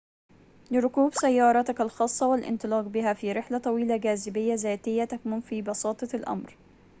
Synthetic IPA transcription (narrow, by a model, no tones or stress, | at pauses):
lɪɾˤʊkuːbsajːɑːɾˤɑt̪ɪkalxɑːsˤːɑwɪlʔɪ̰nt̪ˤɨlɑːqbɪɦæfiːɾɪħlat̪ˤɑwiːlaɡæːzɪbɪjːazaːt̪ɪjːat̪akmʊnfiːbɑsɑːt̪ˤɑlʔa̰mɾ